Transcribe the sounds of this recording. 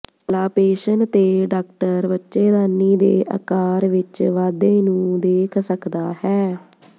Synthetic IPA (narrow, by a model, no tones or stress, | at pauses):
laːpeːʃənt̪eːɖaːkʈəɾbətːʃeːd̪aːniːd̪eːʔə̰kaːɾʋɪt͡ʃʋaːd̪eːnũːd̪eːkʰsəkd̪aːhɛː